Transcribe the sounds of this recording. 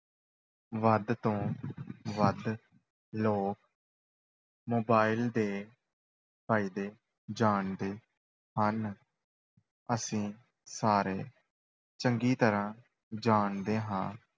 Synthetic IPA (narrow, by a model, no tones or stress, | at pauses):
ʋəd̪t̪õː | ʋəd̪ | loːk̚ | moːbaːɪld̪eː | pʰaːiːd̪eː | d͡ʒaːɳd̪eː | hən | əsĩː | saːɾeː | t͡ʃəŋɡiːt̪əɾãː | d͡ʒaːɳd̪eːɦã̰ː